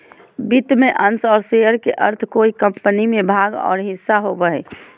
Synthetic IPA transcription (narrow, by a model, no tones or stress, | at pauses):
bit̪mẽʔənsɔːɾsejəɾkeʔəɾt̪ʰkoikəmpənimebʱaːɡɔ̰ːɾɦɪsːaɦobəɦɛ̰